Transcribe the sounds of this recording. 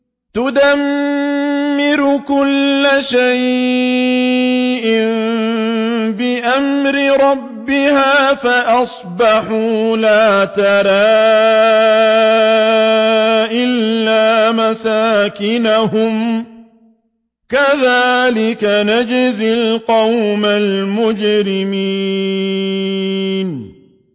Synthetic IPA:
t̪ʊd̪amː | ɪɾʊkʊlːaʃaj | ʔɪm | bɪʔamɾɪɾˤɑbːɪhaːfaʔɑsˤbɑħuːlaːt̪aɾaː | ʔɪlːaːmasaːkɪnahʊm | kaðaːlɪkanad͡ʒɪzɪlqɑwmalmʊd͡ʒɾɪmi | n

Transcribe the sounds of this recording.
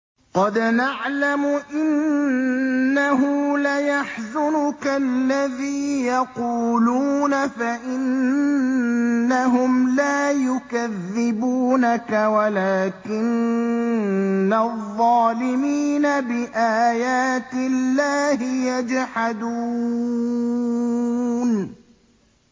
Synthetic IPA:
qɑd̪naʕlamʊʔɪn | aɦʊlajaħzʊnʊkalːaðiːjɑquːluːnafaʔɪn | aɦʊmlaːjʊkaðːɪbuːnakawalaːkɪn | aðˤːɑːlɪmiːnabɪʔaːjaːt̪ɪlːaːhɪjad͡ʒħad̪uː | n

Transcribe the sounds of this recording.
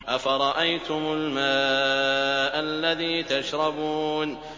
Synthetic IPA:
ʔafaɾˤɑʔajt̪ʊmʊlmaː | ʔalːaðiːt̪aʃɾˤɑbuːn

